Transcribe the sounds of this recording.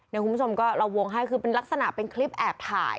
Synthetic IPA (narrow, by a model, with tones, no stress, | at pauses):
na˧jku˧bt͡ɕʰo˧mkɔː˥˩ɾa˧wːo˧ŋɦa˥˩jkʰɯː˧pe˧nla˦˥k̚sa˧na˨˩ʔpe˧nkʰli˦˥p̚ʔɛː˨˩p̚t̪ʰa̰ː˨˩j